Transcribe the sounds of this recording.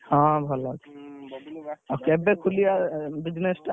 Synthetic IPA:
hɔ̃bʱɔlɔke̥ | okeɛbekʰulijabid͡ʒnesʈa

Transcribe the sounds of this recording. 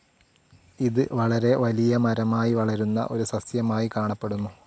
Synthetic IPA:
iðɨʋɐɭɐɾe̞ʋɐlijɐmɐɾɐmaːjiʋɐɭɐɾunːɐ̰ʔo̞ɾusɐsjɐmaːjikaːɳɐpːe̞ɽunːu

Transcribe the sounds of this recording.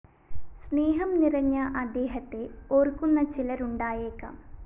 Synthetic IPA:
sneːɦɐmnirɐɲːɐʔɐd̪ːe̞ːɦɐt̪ːe̞oːrkːunːɐt͡ɕilɐɾuɳɖaːjeːkːɐ̰m

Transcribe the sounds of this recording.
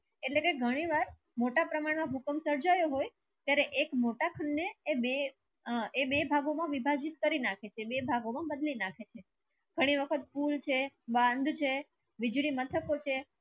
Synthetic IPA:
eʈlekeɡʱəɽ̃iʋaɾ | moʈapɾəmaɳmãɦukəmsəɾd͡ʒajoɦoj | t̪jaɾeʔekmoʈakʰəɳːeːbe | ebebʱaɡomãʋibʱad͡ʒit̪kəɾinakʰet͡ʃʰebebʱaɡomãbəd̪linakʰet͡ʃʰe | ɡ̥ʱəɽ̃iʋəkʰət̪̚pult͡ʃʰebãnd̪ʱt͡ʃʰe | ʋid͡ʒɽimət̪ʰəkot͡ʃʰe

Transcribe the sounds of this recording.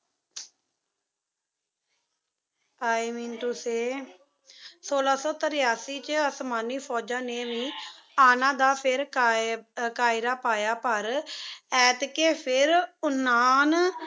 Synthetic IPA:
aːimĩːnʈ̪ʊseː | soːlaːsɔːt̪əɾɪjaːsiːt͡ʃəsmaːniːpʰɔːd͡ʒãːneːʋĩːaːnãːd̪aːpʰɪɾ | kaːɪɾaːpaːjaːpəɾɛːt̪keːpʰɪɾʊnaːn

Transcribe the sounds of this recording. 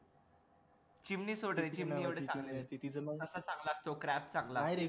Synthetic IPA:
t͡ɕimniːsoɽɾet͡ɕimniːeʋɽet͡saɡlest̪it̪id͡zəəsət͡sãŋɡlast̪okɾæp̚t͡sãŋɡlajɾe

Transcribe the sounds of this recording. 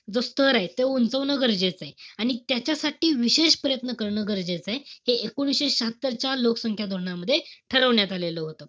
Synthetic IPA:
d͡zost̪ʰəɾaɦet̪eunt͡səʋnəːɡəɾd͡ʑet͡saeaɽ̃it̪jat͡ɕasaʈiːʋiɕeɕpəɾəjət̪nəkəɾɳəɡəɾd͡ʑet͡saeɦeekuɽ̃ɕeɕəɦat̪ːəɾt͡ɕalokə̥səŋkʰjad̪ʱoɾɳaməd̪ʱːjeʈʰəɾəʋɳjat̪aleləːɦot̪ə

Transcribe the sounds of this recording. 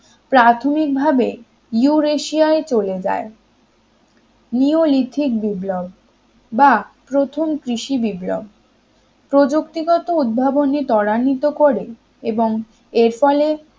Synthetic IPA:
pɾat̪ʰomik̚bʱabe | juɾeʃiaet͡ɕoled͡ʑa̰e | niolit̪ʰik̚biblobː | apɾot̪ʰomkɾiʃibiblo̰b̚ | pɾod͡ʑukt̪iɡɔt̪oud̪̚bʱabonet̪ɔɽanit̪okoɾe | eboŋ | eɾfɔle

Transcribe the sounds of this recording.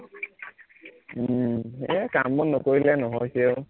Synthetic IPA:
eakambɔnːʊkoɹilɛnɔɦɔjseo

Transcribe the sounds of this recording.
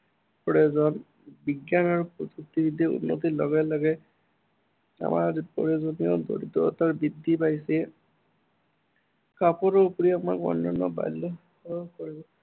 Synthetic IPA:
pɔɹɛzɔn | biɡjanaɹupɔzuk̚t̪ibid̪ʱiṵnːo̰t̪̬ilɔɡalaɡɛ | a̰ma̰ɹpɔ̰ɹezoniɔ̰d̪o̰ɹit̪ɔ̰taɹbid̪ʱːipajsɛ | kapɔɾɔpuɹiama̰ɹkɔ̰nːɔnɔ̰ba̰lːɔ | koɹibɔ

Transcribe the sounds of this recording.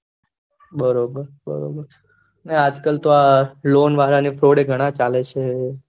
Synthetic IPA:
bəɾobəɾ | bə̰ɾo̰bəɾ | nead͡ʒkəlt̪oalonʋaɦɾanifɾoɽeɡʱəɽ̃ãt͡ʃalet͡ʃʰe

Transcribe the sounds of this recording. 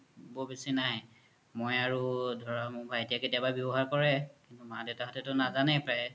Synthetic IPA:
bobesinaɦ | mojaɹudʱɔɹamʊbʱajetijaketijababɔbɔɦaɹkɔɹɛkintumadeʊtaɦɔtɛtʊnazanɛjpɹaj

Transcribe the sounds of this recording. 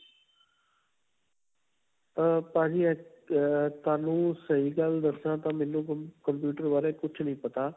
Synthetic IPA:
apãːd͡ʒiːɛː | t̪aːnũːsəiːɡəld̪əsnãːt̪ãːmɛ̃ːnːũːkəmpjuːʈəɾbaːɾeːkʊt͡ʃʰnəĩːpət̪aː

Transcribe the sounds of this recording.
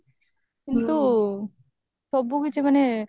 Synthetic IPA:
kint̪u | sɔbːukit͡ʃʰemane

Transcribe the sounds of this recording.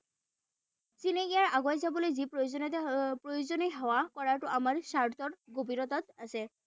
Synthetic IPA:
sineɡijaɹaɡɔjzabɔlojzipɹojozɔntpɹojozɔniɦɛwakɔɹaɹtʊʔamaɹsaɹt̪ʰɔtɡobinɔt̪ɔt̪̚asɛ

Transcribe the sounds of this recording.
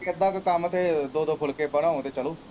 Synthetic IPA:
əd̪ãːkkəmət̪eːd̪oːd̪oːpʰʊlkeːbəɽ̃ãːõːt̪eːt͡ʃəloː

